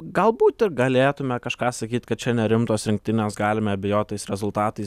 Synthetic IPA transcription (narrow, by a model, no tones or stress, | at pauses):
ɡɐlˠbuːt̪ɪɾɡɐlʲeːt̪ʊmʲɛkɐʃkɑːsɐkʲiːt̪kɐt̪t͡ʃʲɛnʲɛɾʲɪmt̪oːsɾʲɪŋk̚t̪ʲɪnʲeːsɡɑːlʲɪmʲɛɐbʲɪjoːt̪ʲt̪ːɛɪsɾʲɛzʊlˠt̪ɑːt̪ɐɪ